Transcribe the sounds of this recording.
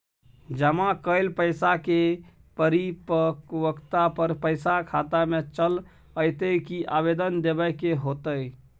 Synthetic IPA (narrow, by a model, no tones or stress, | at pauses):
d͡ʒəmakəɪlpəɪsake | pəɾipəkwəkt̪apəɾpəɪsakʰat̪amet͡ʃəl | əjt̪əjkiʔabed̪ənd̪ebəkeɦot̪əj